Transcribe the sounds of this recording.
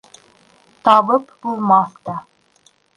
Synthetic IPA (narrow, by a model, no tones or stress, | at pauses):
t̪ɑβɤpbulˠmɑθt̪ɑ